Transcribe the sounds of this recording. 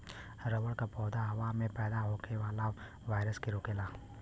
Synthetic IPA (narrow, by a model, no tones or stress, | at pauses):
ɾəʋəɽkapɔːd̪aɦɐʋamẽpɛːd̪aɦoːkeʋaːla | ʋaːɪɾəskeɾoːkeːlaː